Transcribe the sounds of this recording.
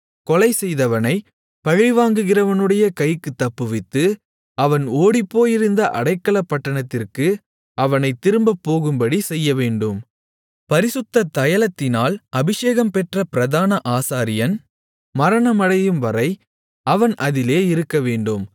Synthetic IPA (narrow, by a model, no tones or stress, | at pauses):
kɔlɐɪsɛjðɐʋɐnɐɪ | pɐɣɐɪʋaːŋɡɯɣɪrɐʋɐnɯɽɐjɐkɐjkːɯt̪ːɐpːɯʋɪt̪ːɯ | ɐʋɐnoːɽipːoːjɪɾɯnd̪ɐʔɐ̰ɽɐɪkːɐɭɐpːɐʈːɐɳɐt̪ːɪrkɯ | ɐʋɐnɐɪt̪ːɪɾɯmbɐpːoːɣɯmbɐɽisɛjːɐʋeːɳɖɯm | pɐɾɪsɯt̪ːɐt̪ːɐjɐlɐt̪ːɪnaːlɐbɪʂeːɣɐmpɛʈrɐpɪɾɐðaːnɐʔaːsaːɾɪjɐn | mɐɾɐɳɐmɐɽɐjɯmʋɐɾɐɪ | ɐʋɐnʔɐðɪleːɪɾɯkːɐʋeːɳɖɯm